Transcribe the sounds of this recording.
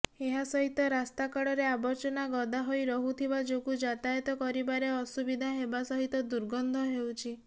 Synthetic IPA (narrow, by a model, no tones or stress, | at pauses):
eɦasɔɦit̪ɔɾast̪akɔɽɔɾeabɔɾt͡ʃɔnaɡɔd̪ʱaɦojɾɔɦut̪ʰibad͡ʒokud͡ʒat̪ajɔt̪ɔkɔɾibaɾeɔsubid̪ʱaɦebasɔɦit̪ɔd̪uɾɡɔnd̪ʱɔɦewt͡ʃʰi